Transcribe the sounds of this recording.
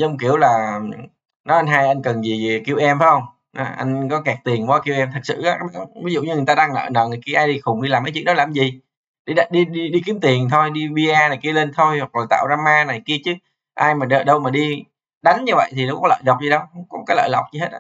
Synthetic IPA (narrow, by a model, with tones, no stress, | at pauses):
zə˧˨˧ŋ͡mki˧˩əwlaː˨˩ | nɔ˨˦ʔa˧nɦaː˧jʔa˧jŋ̟kə˨˩nzi˨˩˨ki˧əwʔɛ˧mfaː˨˦hə˧wŋ͡m | nɔ˨˦ʔa̰˧jŋ̟kɔ˨˦kɛ˨˩k̚t̪i˨˩ənvɔ˨˦ki˧wʔɛ˧mt̪ʰə˨˩sɨ̰˧˨ʔaː˨˦ʔaː˦˥jɓa˨˦vi˨˦zṵ˧˨ɲɨ˧˨˩jt̪aː˧aː˧ŋnə̰ː˧˨nə̰ː˧˨n˨˩jki˧ʔaː˧jɗi˧xʊ˨˩ŋ͡mɗi˧laː˨˩mkaː˨˦t͡ɕɨ˦˥˦n̚ɗɔ˦laː˨˩mzi˨˩ | ɗi˧˨ɗi˧ɗi˧ɗi˧ki˨˦əmt̪i˨˩ənt̪ʰo˧jɗi˧ɓi˧ʔaː˧na˨˩ki˧wle˧nt̪ʰo˧jhwa˨˩k̚laː˨˩t̪a̰ː˧˨wzaː˧maː˧na˨˩jki˧ət͡ɕɨ˨˦ | ʔaː˧jmaː˨˩ɗə˧˨ɗə˧wmaː˨˩ɗi˧ | ɗa˨˦jŋ̟ɲɨ˧və̰˧˨jt̪ʰi˨˩nə˨˦wkɔ˨˦lə̰ː˧˨jzə˨˩wk͡p̚zi˨˩ɗə˨˦wŋ͡mkɔ˨˦kaː˨˦jlə̰ː˧˨jla˨˩wk͡p̚zi˧ɦe˦˥t̚ʔa̰ː˧